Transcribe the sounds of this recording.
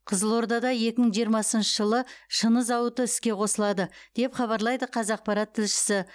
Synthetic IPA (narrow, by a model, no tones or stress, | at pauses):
qʰəzəlˠo̞ɾd̪ɑd̪ɑje̞kʲɪməɴʒijəɾmɑsənʃəʒəlˠəʃənəzɑwət̪əɪskʲe̞qʰo̞səlˠɑd̪əd̪̥e̞pχɑβɑɾlˠɑjd̪əqʰɑzɑq̚pɑɾɑt̪ʰːɪlʃɪ̥sɪ